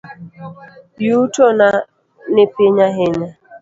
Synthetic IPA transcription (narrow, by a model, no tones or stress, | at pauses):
jutona | nepeɲaɦɪɲa